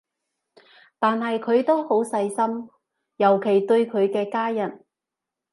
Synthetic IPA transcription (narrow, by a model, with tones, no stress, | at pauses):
t̪aː˨nɦɐ˨jkʰɵ˨˧ɥt̪o˥who˨˥wsɐ˧jsɐ˥m | jɐ˨˩wkʰe˨˩jt̪ɵ˧ɥkʰɵ˨˧ɥkɛː˧kaː˥jɐ˨˩n